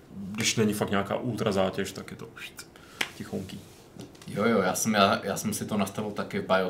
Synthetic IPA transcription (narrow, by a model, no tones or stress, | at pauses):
dɪʃnɛɲɪfaktɲaka̰ːʔuːt̪ɾazaːcɛʃt̪akjɛt̪oʔuʃt̪ | cɪxoŋki | jojojaːsɛmjaːja̰ːsɛmsɪt̪onast̪avɪlt̪akɪvbajo